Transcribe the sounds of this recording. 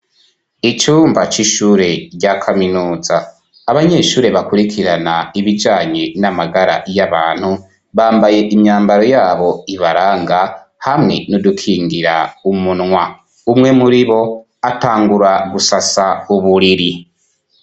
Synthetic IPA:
it͡ʃuːmbat͡ʃiʃuːɾe̞ɟakʰaminuːzaː | βaɲe̞ʃuːɾe̞βakuɾikʰiɾanaiβid͡ʒaːɲe̞namaɡaɾa̰jaβaːn̥hu | βaːmbaje̞ʔimɲaːmbaɾo̞jaːβo̞iβaɾaːŋɡa | hamŋe̞̰nodukʰiːŋɡiɾaumunŋwa | umŋe̞muɾiβo̞ | ataːŋɡuɾaɡusasauβuɾiɾi

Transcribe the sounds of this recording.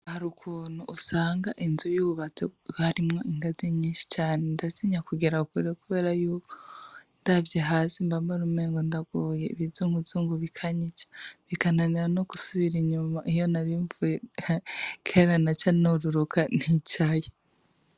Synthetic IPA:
haɾukʰuːn̥huʔːsaːŋɡaʔinzujuβuβat͡seɡaɾimŋoiŋɡaziɲɲiːʃi̥t͡ʃaːnendaziɲakuɡiɾaukuɾekuβe̞ːɾajuːko̥ndavjaɦaːzimbambaɾummeːŋɡondaɡ̥woːjeiβizuːŋɡuzuːŋɡuβikʰaɲit͡ʃḁβikananiɾanoku̥suβiɾiɲumaʔijonaɾiɱvuje | kʰeɾanat͡ʃanoɾuɾukʰan̥hit͡ʃaje

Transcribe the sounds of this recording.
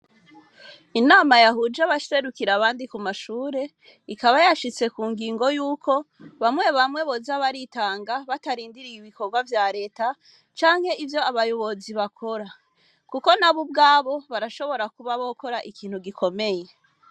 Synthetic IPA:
inaːmajaɦud͡ʒaβaʃse̞ɾukiɾaβaːndikumaʃuːɾe̞ | ikaβajaʃit͡se̞kuːŋɡiːŋɡo̞juːkʰo̞βamŋe̞βamŋe̞βozaβaɾitaːŋɡaβataɾiːndiɾijiβiko̞ɾɡwavjaːɾe̞ːta | t͡ʃaːŋhe̞ʔivjo̞aβajo̞βo̞ziβakʰo̞ɾa | kuko̞naβub̚ɡaːβo̞βaɾaʃo̞βo̞ɾakuβaβoko̞ɾaʔikʰiːn̥huɡikʰo̞me̞je̞

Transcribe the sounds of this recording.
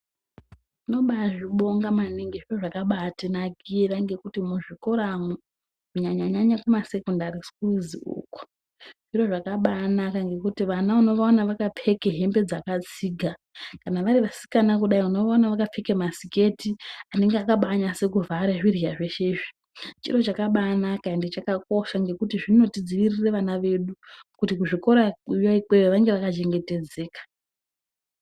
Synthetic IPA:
uno̞ɓaʐiɓo̞ŋɡamaniŋɡiʐiro̞ʐakaɓatinaɡʱiraŋɡe̞kutimuʐiko̞ɾamu | uɲaɲaɲaɲakumase̞kondaɾiskuziṵːku̥ | ʐ̥iroʐakaɓanakaŋɡe̞kutiʋanauno̞ʋaonaʋakap͡fe̞keɦe̞mbe̞d͡zakat͡siːɡʱa | kanaʋaɾiʋasi̥kanak̬uɗaiuno̞ʋaonaʋakap͡fekemasike̞tiane̞ŋɡeakaɓaɲase̞kuvʱaɾeʐiriaʐe̞ʃe̞ːʐi | t͡ʃḭro̞t͡ʃakaɓaːnakandit͡ʃakak̚o̞ʃaŋɡe̞kutiʐino̞tid͡ziʋirire̞ʋanaʋe̞ɗukutikuʐiko̞ɾajoikweʋeʋaŋɡe̞ʋakat͡ʃe̞ŋɡe̞te̞d͡ze̞ːkḁ

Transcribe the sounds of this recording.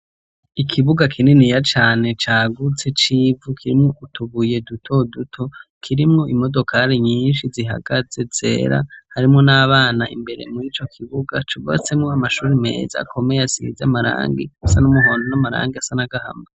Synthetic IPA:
ikʰiβuɡakʰininijat͡ʃaːne̞t͡ʃaːɡut͡set͡ʃiːvukʰiɾimŋoutʰuβuje̞dutʰo̞dutʰo̞kʰiɾimŋoʔimo̞do̞kʰaɾeɲiːnʃiziɦa̰ɡaze̞z̥e̞̰ːɾa̰haɾimŋonaːβaːnaʔḭmbe̞ɾe̞̰muɾiːt͡ʃo̞kʰiβuɡat͡ʃuβa̰t͡se̞mŋoamaʃuːɾime̞̰ːza̰kʰo̞me̞jasḭzamaɾa̰ːŋɡiasanumuɦo̞ːndonamaɾa̰ːŋɡiasanaɡaha̰ma

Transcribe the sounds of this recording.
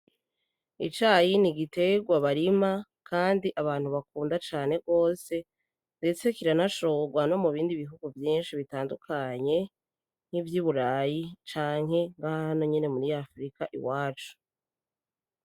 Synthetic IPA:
ḭt͡ʃaːjiniɡite̞ɡwaβaɾima | kʰaːndiʔaβaːn̥huβakuːndat͡ʃaːne̞ɡo̞ːse̞ | nde̞t͡se̞kiɾanaʃoɡwano̞muβiːndiβiɦuɡuvjiːnʃiβitaːndukʰaɲe̞ | n̥ivjuβuɾajit͡ʃaːŋɦe̞ŋɡahahano̞ɲene̞muɾiafɾikaʔḭwaːt͡ʃu̥

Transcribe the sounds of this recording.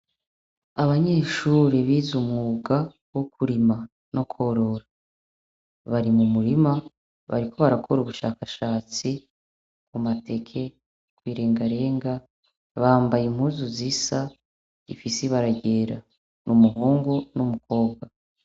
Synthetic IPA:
aβaɲe̞ːʃuːɾeβiːzumŋuːɡa | wokʰuɾima | no̞kʰo̞ɾo̞ɾa | βaɾimumuɾima | βa̰ɾikʰo̞βaɾakʰo̞ɾuβuʃaːkaʃaːt͡si | kumate̞kʰe̞ | kwiːɾe̞ːŋɡaɾe̞ːŋɡa | βaːmbajimhuːzuzisa | ifisiβaɾaɟe̞ːɾa | numuɦoːŋɡo̞numukʰo̞ːb̚ɡwa

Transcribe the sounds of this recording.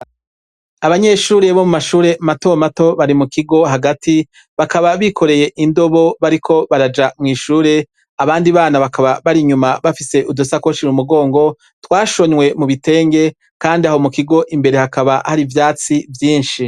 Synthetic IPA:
aβaɲe̞ʃuːɾe̞βo̞mumaʃuːɾe̞mato̞mato̞βaɾimukiɡo̞ɦaɡatʰi | βakaβaβikʰo̞ɾe̞je̞ʔindo̞βo̞βaɾikʰo̞βaɾad͡ʒamŋiːʃuːɾe̞ | aβaːndiβaːnaβakʰaβaβaɾiɲumaβafise̞ʔudosakwoʃiɾumuɡo̞ːŋɡo̞ | twaːʃo̞ɲwe̞muβite̞ːŋɡe̞ | kaːndiaho̞mukiɡo̞ʔimbe̞ɾe̞hakaβahaɾivjaːt͡sivjiːnʃi

